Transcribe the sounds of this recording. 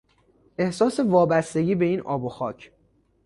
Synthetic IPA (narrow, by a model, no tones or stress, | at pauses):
ʔe̞hsɒːse̞vɒːbæst̪e̞ɟiːbeiːnɒːbo̞xɒːcʰ